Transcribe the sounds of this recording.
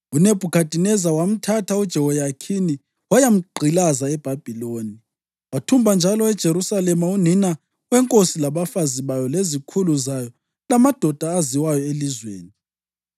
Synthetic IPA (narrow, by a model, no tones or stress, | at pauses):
uneb̥ʱukʰad̥ʱinɛzawam̩tʰatʰaud̥ʒ̥ʱɛwɔjakʰini | wajam̩ɡ͡ǃʱilazaɛb̥ʱab̥ʱiloːni | watʰumbʱand͡ʒʱalɔɛd̥ʒ̥ʱeɾusalɛmaun̤ina | wɛŋkʼosilaβafaziβajɔlezikʰuluzajɔ | lamad̥ʱɔd̥ʱaːziwajɔelizwḛːni